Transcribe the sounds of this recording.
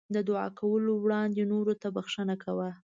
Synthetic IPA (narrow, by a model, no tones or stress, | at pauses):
d̪əd̪ʊɑ̰kʰawəlowɽɑnd̪enoɾot̪abaxʂənakawa